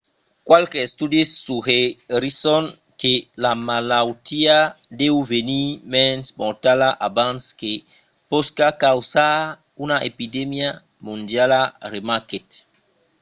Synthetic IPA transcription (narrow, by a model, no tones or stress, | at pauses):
kwalkest̪udisːuheɾisɔn | kelamalawt̪iad̪ewvenimɛnsmɔɾt̪alaʔabãnske | poskakawsa | unaʔepidemja | mũnd̪jalaremaket̪